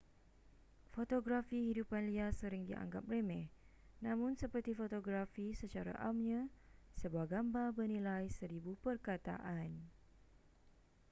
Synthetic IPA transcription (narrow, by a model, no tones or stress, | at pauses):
fot̪oɡɾafihidupanliasəɾɪŋdiʔa̰ŋɡa̰p̚remɛh | nãmʊ̃nsəpərt̪ifot̪oɡɾafisət͡ʃaɾa̰ʔamɲãsəbuahɡambabərnĩlajsəɾibupərkat̪a̰ʔan